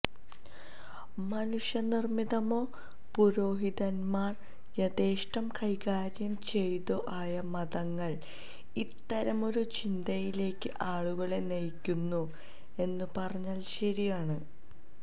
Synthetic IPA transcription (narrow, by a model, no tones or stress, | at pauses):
mɐnuʂjɐnirmiðɐmo̞ː | puɾo̞ːɦiðɐnmaːr | jɐd̪eːʂʈɐmkʰɐjkaːɾjɐmt͡ɕe̞jt̪uʔaːjɐmɐðɐŋːɐɭ | it̪ːɐɾɐmo̞ɾut͡ɕind̪ɐjile̞ːkːɨʔaːɭuɣɐɭenɐjkʲːunːu | e̞nːɨpɐrɐɲːaːlɕɐɾijaːɳɨ